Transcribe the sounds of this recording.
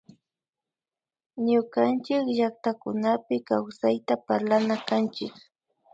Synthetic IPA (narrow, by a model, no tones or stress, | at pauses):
ɲʊkant͡ʃɪkʒak̚t̪akʊnapɪkawsajt̪apaɾlanakant͡ʃɪk